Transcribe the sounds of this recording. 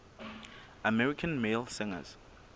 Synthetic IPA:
əmɛɹɪkʰə̃nmeːlˠsɪ̃ŋə̰z̥

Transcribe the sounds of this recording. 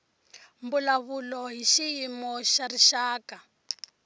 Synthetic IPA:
mbulaβulɔɦiʃijimɔʃariʃaːka

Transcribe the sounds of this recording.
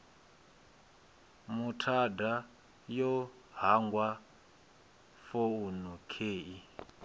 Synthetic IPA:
mutʰada | jɔ | ɦaŋɡwa | founukʰeːi

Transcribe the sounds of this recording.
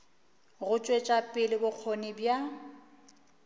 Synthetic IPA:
ɣʊt͡ʃʼwet͡ʃʼapʼɪlɪbʊq͡χʰonɪbja

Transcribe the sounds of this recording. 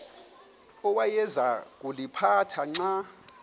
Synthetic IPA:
ɔwajɛzak̬ʼulipʰatʰaŋ͡ǀa

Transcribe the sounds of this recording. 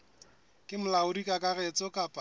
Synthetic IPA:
kʼɪmʊlaʊdikʼakʼarɛt͡sʼɔkʼapʼa

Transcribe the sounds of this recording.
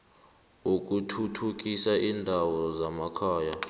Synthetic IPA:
ok̬ʼutʰutʰuk̬ʼisaʔiːndʱawɔzamakʰaːja

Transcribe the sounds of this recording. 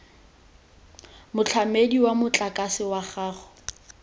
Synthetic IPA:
mʊt͡ɬʰamediwamʊt͡ɬʼakʼasɪwaχaːχɔ̥

